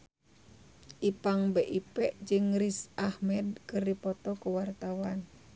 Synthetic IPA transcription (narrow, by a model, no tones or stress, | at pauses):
ʔipaŋbeʔipɛʔd͡ʒɨŋɾisʔahmɛd̚kɨrdipɔt̪ɔkuwart̪awan